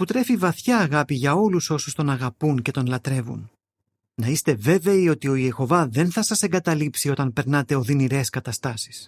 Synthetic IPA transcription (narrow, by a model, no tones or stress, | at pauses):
put̪ɾe̞fivɐθçɐːɣɐpiʝɐo̞luso̞sust̪o̞nɐɣɐpunce̞t̪o̞nlɐt̪ɾe̞vṵn | nɐist̪e̞ve̞ve̞io̞t̪io̞ie̞xo̞vɐðe̞nθɐsɐse̞ŋɡɐt̪ɐlipsio̞t̪ɐnpe̞ɾnɐt̪e̞o̞ðiniɾe̞skɐt̪ɐst̪ɐsi̥s